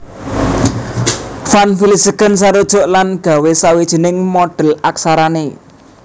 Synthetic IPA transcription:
fanfilisəɡə̤ns̬aɾod̥ʒ̥ʊ̤ʔlanɡ̥a̤wesawid̥ʒ̥ə̤nɪŋmɔɖ̥ə̤laksaɾane

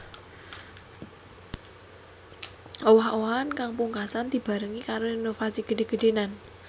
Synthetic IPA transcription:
owaɦʔoankaŋpuŋkasand̪̥i̤b̥a̤ɾəŋikaɾoinofasiɡ̥əɖe̤ɡ̥ə̤ɖenan

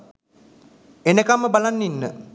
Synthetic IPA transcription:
enəkamːəbalanːinːə

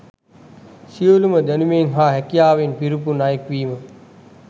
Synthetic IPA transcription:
siəluməd̪ænumeŋɦaːɦɛkijaːʋenpiɾupunajəkʋiːmə

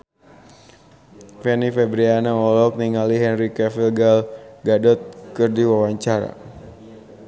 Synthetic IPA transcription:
fɛnifɛbɾianaɔlɔk̚niŋaliɦɛnɾikɛfilɡalɡadɔt̪̚kɨrdiwawaɲt͡ʃaɾa̰

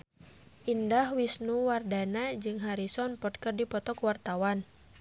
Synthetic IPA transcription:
ʔindahwisnuwardanad͡ʒɨŋɦaɾisɔnpɔt̪̚kərdipɔt̪ɔkwart̪awan

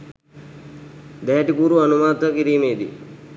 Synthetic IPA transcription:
d̪ɛɦːʈikuːɾuɐnumaːt̪əkiɾiːmeːd̪ḭ

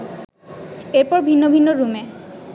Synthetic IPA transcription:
eɾpɔɾbʱinːobʱinːoɾume

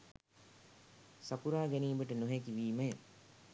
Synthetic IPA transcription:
sapuɾaːɡɛniːbəʈənoɦekiʋiːməjə

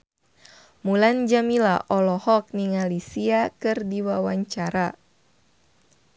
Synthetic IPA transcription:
muland͡ʒamila̰ʔɔlɔhɔk̚niŋalisiakɨrdiwawaɲt͡ʃaɾa

